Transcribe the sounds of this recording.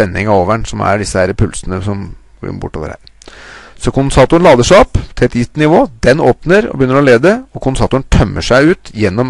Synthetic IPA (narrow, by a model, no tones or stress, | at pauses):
ɛnːɪŋɑoːʋəɳsɔmæ̰ɖɪsːəhæɾpʰʉlsənəsɔmɡ̰ɪ̰nbʊ̰ʈːo̰ːʋə̰ɾhæ̰ːɾ | sɔkʰʊnsɑːt̪ʊənlɑːd̪əʂæɔpːt̪ʰɪlɛt̪jɪt̪nɪʋoːd̪ɛnoːpnəɾɔ̰bəjʏnːəɾɔleːd̪əɔkʰʊnsɑːt̪ʊənt̪ʰœmːəʂæɪʉːt̪jɛnːɔm